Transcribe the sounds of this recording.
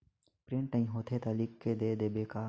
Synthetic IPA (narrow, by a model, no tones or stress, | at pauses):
pɾɪ̃ɳʈɐĩɦoːt̪ʰet̪aːliːkked̪ed̪eːbeːkaː